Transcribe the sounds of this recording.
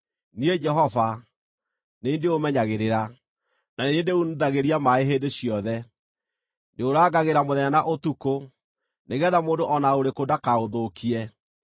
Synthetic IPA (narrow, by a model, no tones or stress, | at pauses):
nied͡ʒɛɦɔva | neindeomɛɲaɣeɾeɾa | naneendeunuðaɣeɾiamaeɦeːndeɕiɔðɛ | ndeoɾaːɡaɣeɾamoðɛɲanaʔotuko | neɣɛðamoːndoʔɔnaoɾekodakaoðokʰiɛ